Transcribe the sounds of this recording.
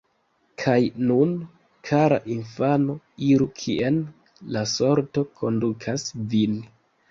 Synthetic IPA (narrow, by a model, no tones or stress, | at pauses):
kʰajnun | kʰaɾa̰ʔinfano̞ | iɾukʰiʔen | laso̞ɾto̞kʰo̞ndukʰasvin